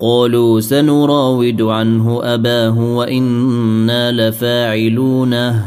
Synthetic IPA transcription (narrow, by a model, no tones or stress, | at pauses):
qɑːluːsanʊɾˤɑːwɪd̪ʊʕanɦʊʔabaːɦʊwaʔɪnːaːlafaːʕɪluːna